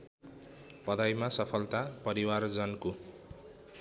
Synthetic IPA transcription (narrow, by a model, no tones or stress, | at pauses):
pʌd̪ajmasʌpʰʌlt̪apʌɾiward͡zʌnko